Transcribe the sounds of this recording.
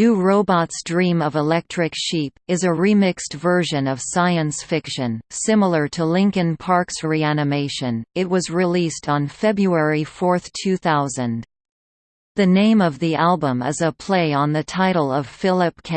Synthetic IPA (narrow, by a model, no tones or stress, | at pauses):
nʉɹoʊbɑtsdɹĩmʌvəlɛk̚tʰɹ̥ɨkʃipɨzɨɹimɪkstv̥ɜ˞ʒɨ̃nʌv̥saɪɨ̃nsfɪkʃɨ̃nsɪ̃ml̩ˠə˞ɾəlɪ̃ŋkɨ̃npʰɑɹksɹiænɨmeɪʃɨ̃nɨt̚wʌzɹɪlistn̩fɛbɹuɛɹifɔɹθtʰʉθaʊzɨ̃n | ðɨnẽɪ̃mʌvðiʔælˠbə̃mɨ̰zəpʰl̥eɪə̃nðɨtʰaɪɾl̩ˠʌv̥fɪlˠɨp̚kʰɛ